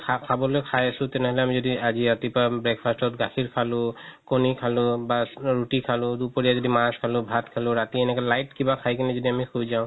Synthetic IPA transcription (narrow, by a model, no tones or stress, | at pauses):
kʰakʰabɔlojkʰajasʊ̃tɛnɛɦɔlɛamizodiaziatipabɹɛkpʰastɔtɡaxʰiɹkʰalʊ̃konikʰalʊbaɹutikʰalʊ̃dupoɹijazodimaskʰalʊ̃bʱatkʰalʊɹatiɛnɛkɛlajtkibakʰajkɛnɛzodiamikʰujzaʊ̃